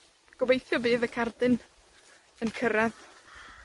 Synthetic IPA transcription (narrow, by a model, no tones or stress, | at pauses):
ɡ̥ɔbejθjɔbɨːðəkʰardɨn | ənkʰəɾɛð